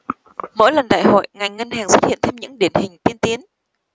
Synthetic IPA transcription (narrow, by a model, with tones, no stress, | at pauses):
mo̰˧˥jlə˨˩nɗa̰ː˧˨jho̰˧˨jŋa˨˩jŋŋə˧nhaː˨˩ŋswə˦˥t̚hḭ˧˨ənt̪ʰe˧mɲɨ̰˧˥ŋɗi˨˩ənhï˨˩ŋ̟t̪i˧ənt̪i˨˦ən